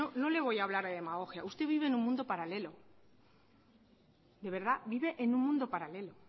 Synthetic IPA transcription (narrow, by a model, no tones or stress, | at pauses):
ono̞le̞β̞o̞jaːβlaɾðeðe̞maɣo̞xjaust̪e̞β̞iβenuŋmũnd̪o̞paɾale̞lo̞ | d̪e̞β̞e̞ɾð̞abiβe̞ʔenũnmũnd̪o̞paɾale̞lo̞